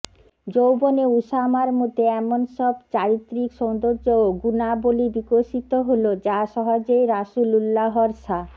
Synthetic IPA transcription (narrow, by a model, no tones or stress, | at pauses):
d͡ʑowboneuʃamaɾmot̪eɛmonʃɔbt͡ɕaɾit̪ːɾikʃɔnd̪oɾd͡ʑooɡunabolibikoʃit̪oɦolod͡ʑaʃɔɦod͡ʑoeɾaʃululːaɦɔɾʃa